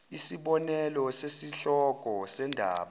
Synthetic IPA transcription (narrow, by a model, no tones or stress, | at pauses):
isiɓɔnɛlɔsesiɬɔkʼɔsɛndʱa̰ːɓa